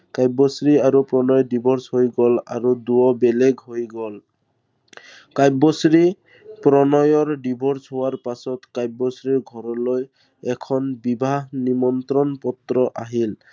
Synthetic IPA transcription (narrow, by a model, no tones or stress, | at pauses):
kajbɔsɹiaɹupɹɔnɔjdibʱɔɹshojɡɔla̰ɹuduɔbɛlɛɡɦojɡɔl | kajbɔsɹi | pɹɔnɔjɔɹɖibʱɔɹsɦowaɹpasɔtkajbɔsɹiɹɡʱɔɹɔloj | ɛkʰɔnbibʱaɦnimɔnt̪ɹɔnpɔt̪ɹɔʔaɦil